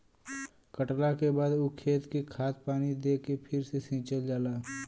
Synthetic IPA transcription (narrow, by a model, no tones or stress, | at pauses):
kəʈlakebaːd̪okʰeːt̪kikʰaːt̪̚paːnid̪eːkepʰɪɾsesĩːt͡ʃəld͡ʒaːlaː